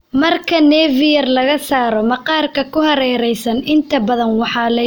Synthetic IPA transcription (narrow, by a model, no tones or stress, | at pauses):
mɐrkʰɐnɛːvɪjɐrlɐɣɐsaːɾɔmɐqɑːrkʰɐkʰʊhɐɾɛːɾɛjsɐnɪnt̪ʰɐbɐðɐnwɑħɑːlɐ